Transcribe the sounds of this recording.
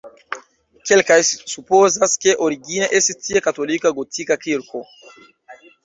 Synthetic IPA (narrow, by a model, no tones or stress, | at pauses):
kelkajsupozaskeʔoɾiɡineʔesestʰiekatolikaɡotʰikakiɾko